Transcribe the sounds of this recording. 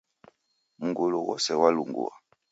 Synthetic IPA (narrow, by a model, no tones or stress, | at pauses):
muŋɡuluwɔsɛwaluŋɡṵwa